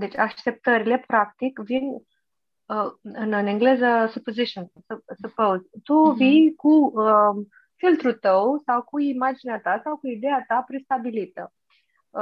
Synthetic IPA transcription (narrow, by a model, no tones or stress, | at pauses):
d̪e̞t͡ʃʲaʃt̪e̞p̚t̪əɾile̞pɾak̚t̪ikvin | ɨnɨneŋɡle̞zəsupoziʃonsusupowzt̪uvikuə | filt̪ɾut̪əwsawkuimad͡ʒineat̪asawkuid̪e̞at̪apɾest̪abilit̪ə